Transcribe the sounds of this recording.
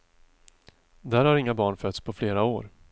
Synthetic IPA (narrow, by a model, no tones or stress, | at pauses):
d̪æːɾhaɾɪŋːabɑːɳfœt̪spʰɔfleːɾaoːɾ